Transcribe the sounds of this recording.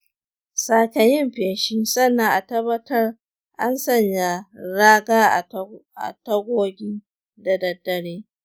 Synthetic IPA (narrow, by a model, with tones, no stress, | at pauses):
saː˨kɐ˨jɪ˦mɸɪ˨nʃiː˦sɐ˦nːa˨ŋʔa˨tɐ˦bɐ˦tɐ˦r | ʔa˦nsɐ˦˨ɲja˨ɾaː˦ɡaː˦˨ʔa̰˨tɐ˦ɡʷoː˦ɡʲiː˦ | da˨dɐ˨dːɐ˨ɽeː˦